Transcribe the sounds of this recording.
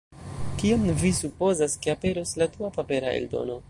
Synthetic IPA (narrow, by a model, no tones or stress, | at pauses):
kiomvisupo̞zaskeape̞ɾoslatuapape̞ɾae̞̰ldo̞̰no̞